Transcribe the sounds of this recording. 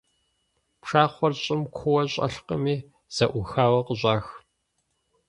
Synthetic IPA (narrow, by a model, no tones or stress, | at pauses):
pʂaːχʷɔrɕʼɪmkʷʰʊwɐɕʼɐ̰ɬqəmiː | z̥ɐʔʷʊxaːwɐqəʑʷʼaːx